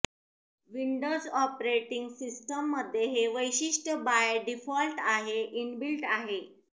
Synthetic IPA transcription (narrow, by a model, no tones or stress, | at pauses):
ʋiɳɖod͡zɔpɾeʈiŋɡsisʈəmːəd̪ʱːjeɦeʋəjɕiʂʈəbajɖifɔlʈaɦeʔinbilʈaɦe